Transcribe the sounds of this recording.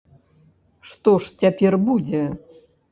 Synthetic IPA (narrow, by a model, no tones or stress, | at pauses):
ʂt̪ɔʂt͡sʲapʲɛrbud͡zʲɛ